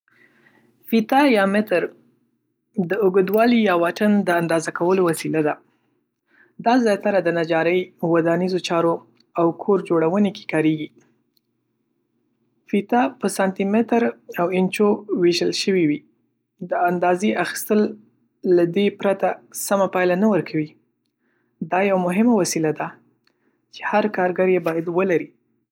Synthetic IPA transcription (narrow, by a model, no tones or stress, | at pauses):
fit̪ɑjɑmɪt̪əɾ | d̪əʊɡəd̪wɑlijɑwaʈənd̪əand̪ɑzakawəlowasilad̪a | d̪ɑzjɑt̪aɾad̪ənad͡ʒɑɾəjwad̪anizot͡ʃɑɾo | awkʰoɾd͡ʒoɽawəneke̥kɑɾeɡi | fit̪ɑpəsɑnt̪imɪt̪əɾawɪnt͡ʃoweʒəlʃəwiwi | d̪əand̪ɑzeʔaxi̥st̪əlː | ad̪epɾat̪asamapɑjlanawəɾkʰawi | d̪ɑjawamʊɦɪmawasilad̪a | t͡ʃe̥haɾkɑɾɡaɾjebɑjad̪wəlaɾi